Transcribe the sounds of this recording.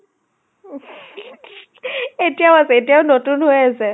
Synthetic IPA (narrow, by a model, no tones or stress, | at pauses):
etijaʊasɛetijaʊnotunɦojasɛ